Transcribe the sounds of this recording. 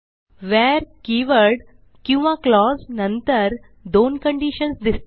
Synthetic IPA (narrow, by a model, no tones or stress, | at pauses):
ʋɛɾkiʋəɽ | kĩw̃ʋaklɔznənt̪əɾ | d̪onkəɳɖiɕənsd̪is